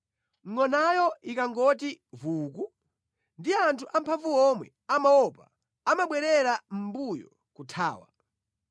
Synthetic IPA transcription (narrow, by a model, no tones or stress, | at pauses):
ŋɔnajɔikaŋɡɔtivuːku | ndiantʰuʔampʰaɱvuɔmwɛ̰ | amaɔpa | amaɓwɛɾɛɾam̩bujɔ̰ | kutʰa̰ːwa̰